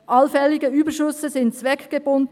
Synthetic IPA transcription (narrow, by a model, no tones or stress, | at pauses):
ʔɑlfɛlɪɡəyːbəʃʏsəzɪntt͡svɛkɡ̥əbʊnd